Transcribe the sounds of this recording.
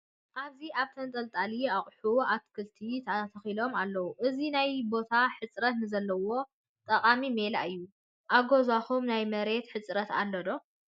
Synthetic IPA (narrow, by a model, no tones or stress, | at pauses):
ʔaβziaβt̪ʰɐnt̪ʼɐlt̪ʼaliaχʼħuat̪kʰɨlt̪ʰit̪ʰɐt̪ʰɐxilo̞malːɐwuʔɨzinajbo̞t̪ʰaħɨt͡sʼɾɐt̪nɨzɐlːɐwo̞ | t̪ʼɐqʼamimelaɨjːu | ʔaɡozaxumnajmɐɾe̞t̪ħɨt͡sʼɾɐt̪a̰lːɐd̪o̞